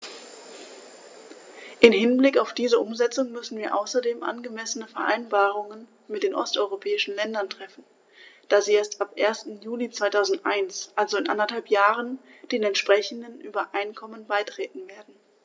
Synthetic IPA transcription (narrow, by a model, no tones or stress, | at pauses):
ʔɪmɦɪnblɪkaʊfd̥iːzəʔʊmzɛt͡sʊŋmʏsn̩viːɐʔa̰ʊsɐdeːmʔa̰nɡəmɛsənəfɛɐʔa̰ɪnbaːʁ̞ʊŋən | mɪtd̥eːnʔɔ̰stʔɔʏʁopʰɛːɪʃn̩lɛndɐntʁ̥ɛfn̩ | d̥aːziːeːɐstapʔeːɐstn̩juːlit͡sv̥aɪtʰaʊzn̩tʔaɪnsʔalzoɪnʔa̰ndɐthalpjaːʁənd̥eːnɛntʃpʁ̥ɛçn̩dənʔyːbɐʔaɪnkʰɔmənbaɪtʁ̥ɛːtn̩veːɐdn̩